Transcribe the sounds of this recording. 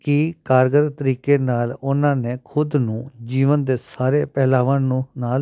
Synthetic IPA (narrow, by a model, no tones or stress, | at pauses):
kɪkaːɾɡəɾt̪əɾiːkeːnaːlʊnãːneːkʰʊd̪nũːd͡ʒiːʋənd̪eːsaːɾeːpɛːlaːʋãːnũːnaː